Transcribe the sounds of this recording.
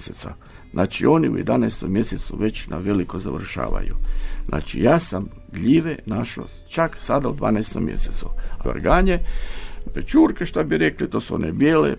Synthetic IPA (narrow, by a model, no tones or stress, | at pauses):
set̪sa̰ | znʔaːt͡ʃio̞niṵjed̪anajst̪omje̞set̪suʋe̞t͡ɕnaʋe̞likoza̰ʋr̩ʃa̰ːʋa̰juznʔa̰ːt͡ʃijaːsam | d̪ʎiːʋenaʃo̰ | t͡ʃaksad̪aud̪ʋa̰ːnajst̪o̰mje̞̰set̪suao̰ɾɡaːɲe | pet͡ʃuːɾkeʃt̪abiɾe̞klit̪o̞ːsuo̰nebjeːlḛ